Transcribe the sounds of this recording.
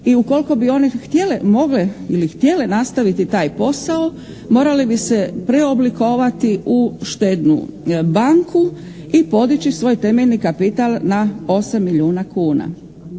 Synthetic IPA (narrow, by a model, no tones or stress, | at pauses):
iuko̞lko̞bio̞nixt̪je̞lemo̞ɡleilixt̪je̞le̞nast̪aʋit̪it̪aːjpo̞sao | mo̞ːɾalibise̞pɾe̞o̞bliko̞ːʋat̪iʔuʃt̪eːd̪nṵbaŋkʰu | ipo̞d̪it͡ɕisʋo̞ːjt̪e̞meʎnikapit̪alˠnao̞samːiʎiuːnakuːna̰